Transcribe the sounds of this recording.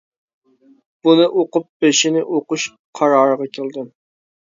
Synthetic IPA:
b̥unɨʔoqʊp̚b̥eʃinɪʔoqʊʃ | qʰɑɾɑːɾəʁɑkʲʰelˠd̪ɨm

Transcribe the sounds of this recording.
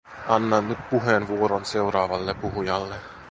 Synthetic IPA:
ɑnːɑnːyt̪̚puɦenʋuoɾonse̞uɾɑːʋɑlːepuɦujɑlːe

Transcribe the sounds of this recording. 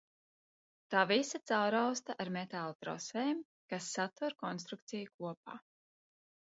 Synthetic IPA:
t̪aːvisat̪sawɾawst̪aʔaɾmet̪aːlˠut̪ɾɔ̰svɛːm | kasːat̪uɾkɔns̬t̪ɾuk̚t̪sijukuɔpa̰ː

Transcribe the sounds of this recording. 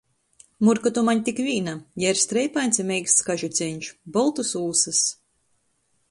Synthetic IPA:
muɾkɔt̪umaɲt̪ʲikvʲiːnajaiɾst̪ɾɛjpajnsimʲɛjkst̪skaʒut̪sʲɛɲʲt͡ʃbɔlˠt̪usuːsɨs

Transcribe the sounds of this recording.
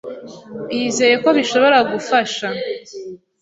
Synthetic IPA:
jiːze̞je̞ko̞βiʃo̞βo̞ɾaɡufaʃa

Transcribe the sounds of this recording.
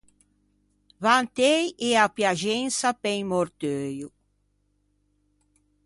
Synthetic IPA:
vant̪ejeapjaʒensapejmoɾt̪øjʊ

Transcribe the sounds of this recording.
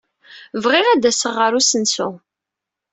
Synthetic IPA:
vʁɪʁæd̪æsəʁːəɾusənsu

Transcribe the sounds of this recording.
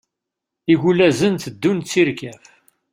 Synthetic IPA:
iʝulæzənt̪əd̪ːunt͡sːiɾkæf

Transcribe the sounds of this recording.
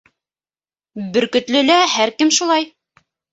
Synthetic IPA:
bɵ̆ɾkɵ̆t̪lɘ̆læhæɾkɘmʃulˠɑj

